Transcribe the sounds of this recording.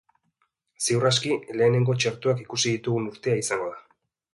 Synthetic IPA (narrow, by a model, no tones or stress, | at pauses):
siwraskile̞ːne̞ŋɡo̞t͡ʃeɾt̪uakikusiðit̪uɣunuɾt̪e̞aisaŋɡo̞ða